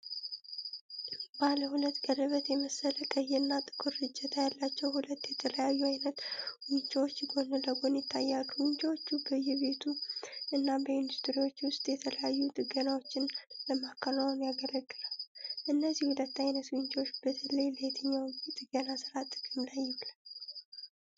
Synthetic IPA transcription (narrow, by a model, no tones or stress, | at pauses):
baləhulət̪ːɡʼərəβət̪jɛməsələkʼəjɛɨnːat̪ʼɨkʰʼuɾːɨd͡ʒːɛt̪ʰajalːat͡ʃːɛwhulət̪ːjɛt̪ʰələjajːuajnət̪wɨɲt͡ʃʼwot͡ʃːɡo̞nɨləɡo̞njɪt̪ʰːajːalːuwɨɲt͡ʃʼawo̞t͡ʃːubəjɛβe̞t̪ʰuɨnːabəjɪnd̪ust̪ɨɾiwo̞t͡ʃːwʊst̪ʼjɛt̪ʰələjajːut̪ʼɨɡənawo̞t͡ʃːɪnləmakʰːəlawmjaɡələɡːɨlalʔɨnːəzːihulət̪ːajnət̪wɨɲt͡ʃʰʼwot͡ʃːb̥ət̪ʰəlejləjɛt̪ʰəɲːawit̪ʼɨɡənasɨɾat̪ʼɨkʼɨmlajːɛllə